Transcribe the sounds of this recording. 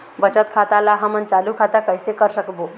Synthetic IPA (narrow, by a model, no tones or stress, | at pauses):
bət͡ʃət̪̚kʰat̪alaɦəmənt͡ʃalukʰat̪akəjsekəɾsəkbo